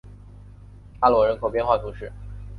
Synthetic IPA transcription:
a˥˩lwɔ˨˧˥ɻə˧˥nkʰo˨˩ʊpjnxwa˥˩t̪ʰu˧˥ʂɻ̩˥˩

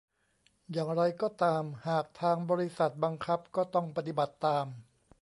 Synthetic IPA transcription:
jaː˨˩ŋɾa˧jkɔː˥˩t̪aː˧mhaː˨˩k̚t̪ʰaː˧ŋbɔː˧ɾi˦˥sa˨˩t̪̚ba˧ŋkʰa˦˥p̚kɔː˥˩t̪ɔ˥˩ŋpa˧˩t̪i˨˩ba˨˩t̪ːaː˧m

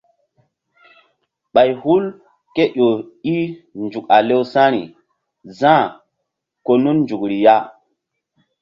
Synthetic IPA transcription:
ɓa˨jhu˦l | ke˦ʔo˨i˦nd͡ʒu˨ka˨le˦wsã˦ɾi˨ | zã˦˨ | ko˨nu˦nnd͡ʒu˨kɾi˨ja˦

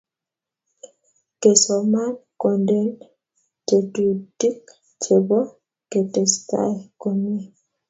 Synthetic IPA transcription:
ke˨sɔma˦nkɔ˨ndɛ˦n | te˨tu˨di˦k | t͡ʃe˨bɔ˦ | ke˨tɛ˨sta̰˦jkɔ˨me˦

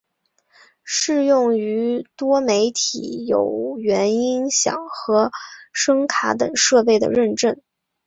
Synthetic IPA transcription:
ʂɻ̩˥˧jʊ˥˩ŋy˧˥t̪wɔ˥me˧˥ɪt̪ʰḭ˨˥jo˨˩ʊɥɛ˧˥ni˥nɕjɑ̰˨˩ŋxɤ˧˥ʂɤ˥ŋkʰa˧˥t̪ɤ˨˩ŋʂɤ˥˧pe˥˩ɪd̪ə̰˩ɻə˥˧nʈ͡ʂə˥˩n

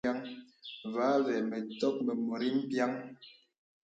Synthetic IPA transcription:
a˦ŋ | va˨˦vɛ˨mɛ˨tɔ˦k̚mɛ˨mo˨ɾi˦m̩˦pja˦ŋ

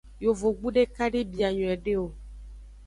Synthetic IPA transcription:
jo˨vo˨ɡ͡bu˦ɖe˦ka˦ɖe˦bi˨a˨ɲɔ̃˨ɛ˨ɖe˦o˨

